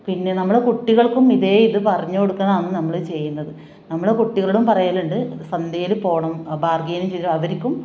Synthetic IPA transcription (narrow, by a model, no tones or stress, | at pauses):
pinːe̞nɐmːuɽekuʈːiɣɐɭkumiðe̞ːiðɨpɐrɐɲːukoɽukːɐnaːnːɨnɐmːɐɭt͡ɕe̞jːunːɐðɨ | nɐmːuɽekuʈːiɣɐɭuɽumpɐrɐjaːluɳɖɨɐsɐnd̪jeːlupo̞ːɳɐmbaːrɡeːnimt͡ɕejt̪ːimɐʋɐɾikʲːum